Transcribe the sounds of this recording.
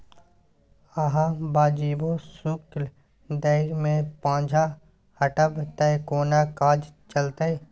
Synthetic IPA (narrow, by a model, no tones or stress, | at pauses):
əɦãbaːd͡ʒiːbosʊkl | d̪əɪɾmẽpãːd͡ʒʱa | həʈəbt̪ɛkoːnakaːd͡ʒt͡ʃəlt̪ee